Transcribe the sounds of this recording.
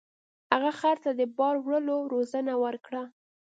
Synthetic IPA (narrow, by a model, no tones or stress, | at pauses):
haɣaxaɾt̪ad̪əbɑɾwɽəloɾozənawəɾkɽa